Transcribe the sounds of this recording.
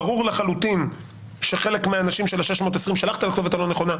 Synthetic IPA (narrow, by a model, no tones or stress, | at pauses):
ʁuʁleχalutin | ʃeχe̞le̞kmeaːnaʃimʃelaʃeʃmot̪esʁimʃalaχt̪ialakt̪ovet̪alo̞neχo̞na